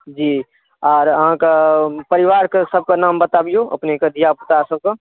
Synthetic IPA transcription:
d͡ʒiː | ɔːɾɐɦãkapəɾɪʋaːɾkasəb̚kanaːmbət̪abijoʔɐ̰pnekɐd̪ʱijaput̪asəb̚ka

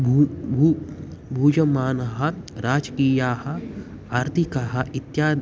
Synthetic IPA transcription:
bʱubʱuːd͡ʒɐmaːnɐɦɐ̆ɾaːd͡ʒɐkiːjaːhɐ̆ | aːɾt̪ʰikɐɦɐ̆it̪jaː

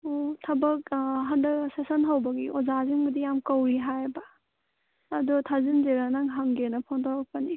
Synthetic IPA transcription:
otʰɐbɐk̚ɦɐndɐksesɐnɦawbɐɡiʔɔzaziŋɡudijamkɐwɾiɦajbaː | dutʰazinzeɾanaŋɦaŋɡenɐpʰɔŋdɔɾɐk̚pɐni

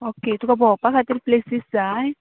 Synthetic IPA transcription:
oket̪ũkabʱɔpakʰat̪iːɾplesisd͡zaj

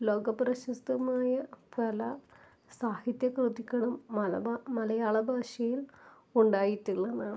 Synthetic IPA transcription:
loːɡɐprɐɕɐst̪ɐmaːjɐpɐlɐ | saːhit̪jɐkrɨt̪ikʲːɐɳɐmːɐɐmɐlɐjaːɭɐbʱaːʂɐjil | uɳɖaːjitːuɭːɐnaːɳɨ

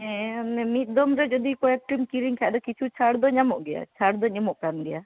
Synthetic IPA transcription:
ɛ̃nɛmit̪̚ˀd̪ɔmɾɛd͡ʒɔd̪ikɔɛk̚ʈɾimkiɾiŋkʰaʔd̪ɔkit͡ʃʰut͡ʃʰaɽd̪ɔɲamɔʔɡɛja̰t͡ʃʰaɽd̪ɔɲamɔʔkanɡɛja

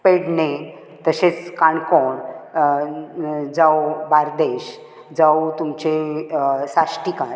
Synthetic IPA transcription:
peɽne | t̪əɕet͡skãɳkoɳ | d͡zawbaɾd̪eɕ | d͡zawt̪umt͡ɕe | saʂʈikaɾ

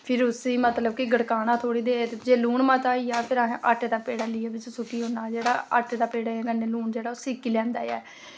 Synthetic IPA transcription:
pʰɪɾʊsiːmət̪ləbkɪɡəɽkaːnãːt̪ʰoːɽiːd̪eːd͡ʒeːluːɳmãːt̪aːijaːpʰɪɾaːɦʔaʈːd̪aːpeːɽaːlɪːaːʋɪt͡ʃsʊkiːɦõːnaːd͡ʒeːɽaːa̰ʈːd̪aːpeːɽaːɡəneːluːɳd͡ʒeːɽaːʊsiːkːilɛːmd̪a̰ːja̰ːɛ

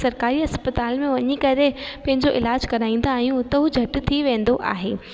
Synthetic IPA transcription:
sɐɾkaːɾiɐspɐt̪aːlmẽʋɐɲikɐɾepɐ̃ɦɪ̃ɲd͡ʑoʔɪlaːd͡ʑkɐɾaːĩːnd̪aːɦjũt̪ɐɦud͡ʑʱɐʈt̪ʰiʋẽːn̆d̪oʔa̰ːɦeː

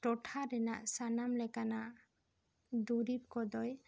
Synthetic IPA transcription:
ʈɔʈʰaɾɛna̰ʔsanamlɛkanaʔ | d̪uɾip̚kɔd̪ɔj

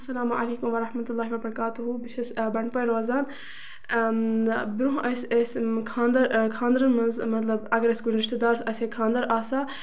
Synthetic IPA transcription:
ɐsɐlaːmʔɐ̰leːkumʋɐɾɐħmɐt̪ulˠːaːɦiʋɐbɐɾɐkaːt̪uɦubiʃʰɐsbɐɳpɐjɾaːzaːn | bɪɾuɦʔɐsʲɐskʰãːnd̪ɐɾkʰãːnd̪ɾɐnmɐnzmɐt̪lɐbɐɡɐɾɐsɡulɾiʃt̪ed̪aːɾsɐsekʰãːnd̪ɐɾaːsaː

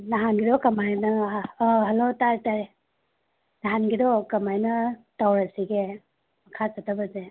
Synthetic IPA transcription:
naɦanɡidɔkɐmajnɐː | ɦɐlotaɾtaɾ | naɦanɡidɔkɐmajnɐtawɾasiɡe | mɐkʰasatʰabɐze

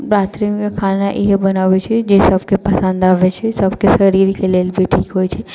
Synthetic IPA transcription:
bɾaːt̪ɾiũkakʰaːnaʔɪɦebɐnaːʋet͡ʃʰed͡ʒesɐbʱkepɐsə̃nd̪aːʋet͡ʃʰesɐbkesɐɾiɾikeleːlbʱiʈʰiːkɦoːjt͡ʃʰe

